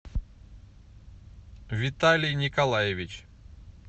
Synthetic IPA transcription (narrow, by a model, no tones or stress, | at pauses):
vʲɪt̪alʲijnʲikɐlˠajevʲit͡ɕ